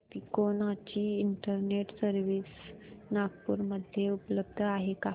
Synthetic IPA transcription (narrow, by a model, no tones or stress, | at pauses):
t̪iːkonat͡ɕiːɳʈəɾneʈsəɾʋisnaɡpuɾməd̪ʱjeupləb̚d̪ʱəaɦeka